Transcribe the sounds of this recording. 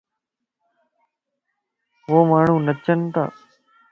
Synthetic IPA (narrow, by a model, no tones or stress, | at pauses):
ʋoːmaːɳ̤ũːnət͡ʃənt̪a̰ː